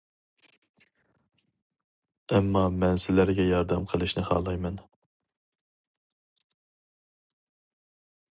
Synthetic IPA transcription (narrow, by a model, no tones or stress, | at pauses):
ɛmːɑmɛnsɪlæɾɡʲɛjɑɾd̪ɛmqʰəlˠɨʃnɪhɑ̰ːlˠɑjmɛn